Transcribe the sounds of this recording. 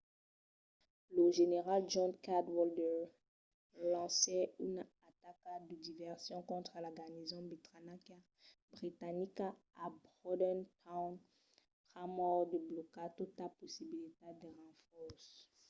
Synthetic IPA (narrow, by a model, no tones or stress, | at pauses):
ləʒeneʁald͡ʒɔ̃nkad̪wɔldɛʁ | lɑ̃sɛynat̪akad̪əd̪ivɛʁsjɔ̃kɔ̃t̪χəlaɡanizɔ̃bit̪ʁanakja | bʁit̪anika | abʁɔd̪ɛnt̪ʰawn | tχamɔʁd̪əblɔkat̪ut̪laposibilit̪ed̪eʁɑ̃fɔʁs